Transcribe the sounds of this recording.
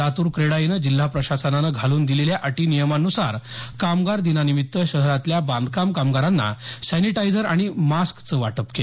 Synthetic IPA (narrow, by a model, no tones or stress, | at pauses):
at̪uːɾkɾeɽajinəd͡ʑil̤ːapɾəɕasənanəɡʱaluːnd̪ileljaʔəʈiːnijəmanːusaɾkamɡaɾd̪inanimit̪ːəɕəɦɾat̪ljabãnd̪kamkamɡaɾanːa̰sɛniʈajd͡zəɾaɽ̃imaskt͡səʋa̰ʈəpkel